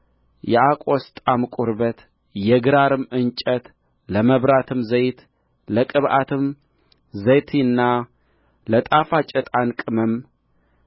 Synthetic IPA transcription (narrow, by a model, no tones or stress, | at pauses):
jɛʔakʼost̪ʼamkʷʼuɾbət̪ | jɛɡɨɾaɾɨmɨnt͡ʃʼət̪ | ləməβɾat̪ʰɨmzəjt̪ | ləkʼɨβʔat̪ʰɨm | zəjt̪ʰinːa | lət̪ʼafat͡ʃʼɛt̪ʼankʼɨməm